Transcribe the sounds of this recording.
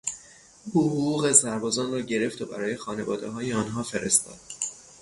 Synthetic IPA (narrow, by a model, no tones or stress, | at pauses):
buɦɣuːɣe̞sæɾbɒːzɒːnrɒːɟe̞ɾe̞ft̪ʰobæ̰ɾɒːje̞xɒːne̞vɒ̰ːd̪eɦɒːjeɒːnɦɒːfe̞ɾe̞̰st̪ɒ̰ːd̪̥̚